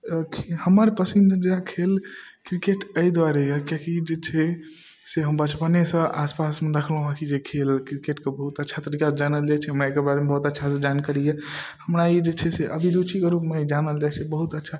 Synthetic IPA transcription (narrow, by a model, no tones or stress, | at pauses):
kʰihəməɾpəsind͡ʒeɾakʰel | kɾikeʈəjd̪waɾejkjakid͡ʒet͡ʃʰɛ | seɦəmbət͡ʃpənesə̃aspasmeɾəkʰlɦũɦakʰid͡ʒekʰelkɾikeʈkebəɦut̪ətːʃʰat̪əɾikad͡ʒanəld͡ʒat͡ʃʰɛɦəmɾaekebaɾemebəɦut̪ətːʃʰasə̃d͡ʒankəɾijehəmɾaid͡ʒet͡ʃʰɛseʔəbʱiɾut͡ʃʰikeɾupmed͡ʒanəld͡ʒat͡ʃʰɛbəɦut̪ətːʃʰa